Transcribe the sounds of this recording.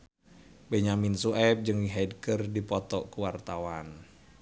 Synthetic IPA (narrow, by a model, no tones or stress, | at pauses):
beɲaminsuɛp̚d͡ʒɨŋiɦɛdkərdipɔt̪ɔkuwart̪awan